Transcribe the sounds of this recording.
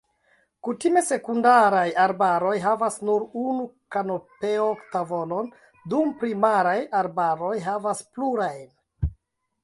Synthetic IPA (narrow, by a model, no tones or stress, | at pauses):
kutime̞se̞kundaɾajaɾbaɾo̞jɦavasnuɾunukanope̞oktavo̞non | dumpɾimaɾajaɾbaɾo̞jɦavaspluɾajn